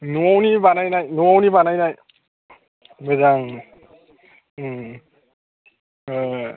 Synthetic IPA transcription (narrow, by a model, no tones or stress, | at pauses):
nuawnibanajnajnuawnibanajnaj | bɯzaŋ